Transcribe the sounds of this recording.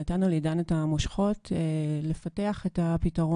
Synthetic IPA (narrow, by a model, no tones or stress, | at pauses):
atanulidanetamoʃχo̞telefateaχetapitaʁo